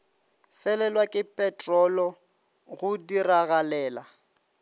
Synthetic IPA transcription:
fɛlɛlwakʼɪpʼɛtʼrɔlɔ | ɣʊdiraɣalɛːla

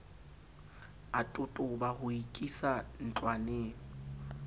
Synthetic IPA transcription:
atʼʊtʼʊbahʊikʼisan̩t͡ɬʼwaneːŋɔ

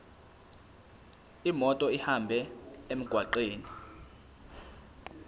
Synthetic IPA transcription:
imɔtʼɔihambʱɛem̩ɡ̥ʱwaǃeːni

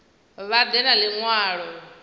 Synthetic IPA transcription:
βad̪ɛnaliŋwaːɺɔ

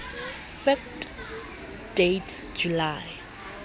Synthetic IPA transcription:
fɛft | d̥etʰ | d͡ʒulaj

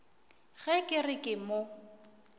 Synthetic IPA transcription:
ɣɛkʼɪrɪkʼɪmo

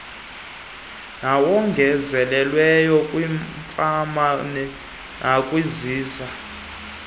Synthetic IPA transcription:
nawɔŋɡʱɛzɛlɛlwɛjɔkʼwiɱfamanɛ | nʔakʼwiziːza

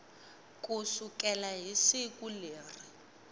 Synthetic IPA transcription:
kʼusukɛlaɦisikʼuleːri

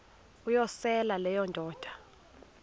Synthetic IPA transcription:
ujɔsɛlalɛjɔndʱɔːd̥ʱḁ

